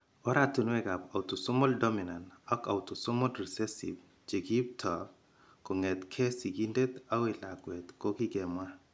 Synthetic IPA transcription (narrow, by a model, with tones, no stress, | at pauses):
ɔ˦ɾa˦tu˨nwɛ˦ɡa˨pa˨utu˨sʊ˦mɔ˦ldɔ˦mina˨nɔ˦ka˨uto˨sʊ˦mɔ˦lɾi˨sɛsḭ˨b | d͡ʒe˨ɡi˦b̚tʰɔ˨ | kɔ˨ŋɛ˨t̪kʰɛ˦si˨ɡi˦nde˦t̪a˦we˨la̰˨ɡwɛ˨t̪ko˦ki˦ɡɛmwa˦